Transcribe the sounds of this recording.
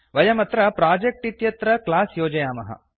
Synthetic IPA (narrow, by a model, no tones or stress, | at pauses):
ʋɐjɐmɐt̪ɾɐpɾaːd͡ʒek̚ʈit̪jɐt̪ɾɐklaːsjoːd͡ʒɐjaːmɐɦɐ̰